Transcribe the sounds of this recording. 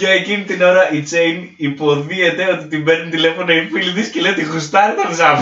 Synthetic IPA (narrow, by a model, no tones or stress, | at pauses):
ɐecinit̪ino̞ɾɐʔit͡sejn | ipo̞ðie̞t̪e̞o̞t̪it̪imbe̞ɾnunt̪ile̞fonoifilðiscelejot̪ixust̪ɐɾet̪ɐðsɐ